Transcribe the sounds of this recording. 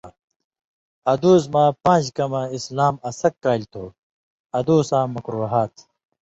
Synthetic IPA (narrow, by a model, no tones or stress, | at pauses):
ɐd̪uːz̬mãːpãːd͡ʑkɐmɐislaːmɐsɐkːaːlʲt̪ʰoː | ɐd̪uːsãːmːɐkɾuːɦaːt̪ʰ